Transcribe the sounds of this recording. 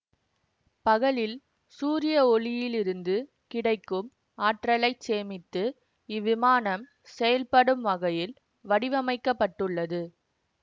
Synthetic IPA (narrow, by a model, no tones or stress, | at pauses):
pɐɣɐɭɪl | suːɾɪjɐɔɭɪjɪlɪɾɯnd̪ɯ | kɪɽɐɪkːɯm | aːʈrɐlɐɪt͡ʃeːmɪt̪ːɯ | ɪʋɪmaːnɐm | sɛjɐlpɐɽɯmʋɐɣɐjɪl | ʋɐɽɪʋɐmɐɪkːɐpːɐʈːɯɭːɐðɯ